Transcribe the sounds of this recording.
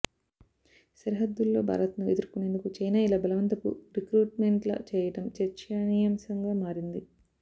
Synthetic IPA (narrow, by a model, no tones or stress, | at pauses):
sɐɾiɦɐd̪ːulːo̞ːbʱa̰ːɾɐt̪nued̪uɾkune̞ːnd̪ukut͡ʃɐjnaːilɐbɐlɐʋɐnt̪ɐpṵɾikɾuːʈmeɳʈlɐ̰t͡ʃɛːjɐʈɐmt͡ʃɐɾt͡ʃɐnijɐmsɐŋɡaːmaːɾind̪i